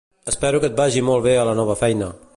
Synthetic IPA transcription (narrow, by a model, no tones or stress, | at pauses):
əspɛɾukət̪̚baʒimɔlˠβeələnɔβ̞əfɛjnə